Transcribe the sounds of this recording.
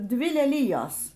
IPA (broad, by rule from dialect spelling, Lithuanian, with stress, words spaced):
ˈdʲʋʲɪ lʲɛˈlʲɪjoːs